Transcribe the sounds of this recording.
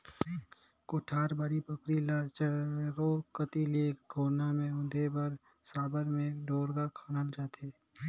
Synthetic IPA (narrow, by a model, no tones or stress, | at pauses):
koːʈʰaːɾbəɾipəkɾilat͡ʃəɾoːkət̪iliekɡʱoːɾnamẽʊd̪ʱebəɾ | saːbəɾmẽɖoːɾɡakʰaːnənd͡ʒaːt̪ʰeː